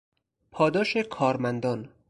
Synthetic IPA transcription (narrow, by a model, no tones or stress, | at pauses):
pʰɒːd̪ɒːʃekʰɒːɾmænd̪ɒːn